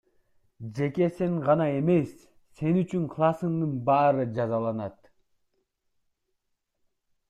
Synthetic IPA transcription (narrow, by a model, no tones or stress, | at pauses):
d͡ʒe̞ke̞seŋʁɑnɑe̞me̞sː | e̞nyt͡ʃyŋqʰlˠɑsɯŋd̪ɯnbɑːɾɯd͡ʒɑzɑlˠɑnɑt̪